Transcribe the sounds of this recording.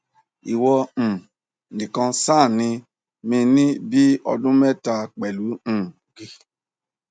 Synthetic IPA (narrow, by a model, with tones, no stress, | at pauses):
i˨wɔ̃˧˨ | nĩ˨kã˧saː˦˨nĩ˧ | mĩ˧nĩ˦bi˦ɔ̰˧dũ˦mɛ˦ta˧k͡pɛ˨lũ˨˦˨ɡi˦